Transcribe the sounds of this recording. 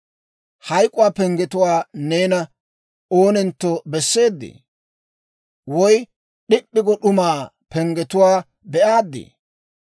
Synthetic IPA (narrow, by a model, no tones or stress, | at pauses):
hɐjkʼʊwaːpɛŋɡɛt̪ʊwaːneːnɐ | oːnɛnt̪ːɔbɛsːe̞ːd̪ːḛː | wɔj | ɗɪɗːɪɡɔɗʊmaːpɛŋɡɛt̪ʊwaː | bɛʔaːd̪ːḛː